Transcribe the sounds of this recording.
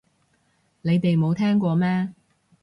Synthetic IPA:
le˨˧jt̪e˨jmo˨˧wt̪ʰɛː˥ŋkʷɔː˧mɛː˥

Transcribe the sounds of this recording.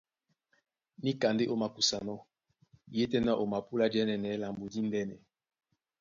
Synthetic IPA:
ni˦ka˨nde˦ʔo˦ma˨ku˨sa˨nɔ˦ | je˦tɛ˦na˦ʔo˨ma˨pu˦la˦d͡ʒɛ˦nɛ˨nɛ˨˦la˨mbo˨di˦ndɛ˦nɛ˨

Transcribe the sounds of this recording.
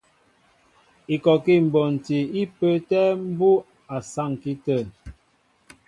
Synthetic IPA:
i˨kɔ˨ki˦˨m̩˨bɔ˨n̩˨ti˨i˦pə˦tɛ˦m̩˦bu˦ | a˨sa˦˨ŋki˦tə˦˨

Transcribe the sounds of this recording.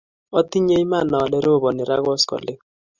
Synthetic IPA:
ɔ˦ti˦ɲe˦i˦ma˦˨nɔ˨lɛ˦ɾo˦˨bɔ˨nɪ˨ɾa˦ɣɔ˦skɔ̰˨lɪ˦

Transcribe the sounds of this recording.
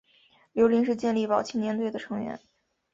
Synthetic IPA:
ljo˧˥ʊli˧˥ŋʂ̬ɻ̩˥˧t͡ɕjɛ˥˧nli˥˩pɑ˨˩ʊt͡ɕʰi˥njɛ˧˥nt̪we˥˩ɪd̪ə˩ʈ͡ʂʰɤ˧˥ŋɥɛ̰˧˥n

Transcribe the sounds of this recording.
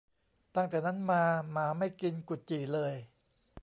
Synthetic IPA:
t̪a˥˩ŋt̪ɛː˨˩na˦˥nmaː˧maː˩˦ma˥˩jki˧nku˨˩t̪̚t͡ɕiː˨˩lɤː˧j

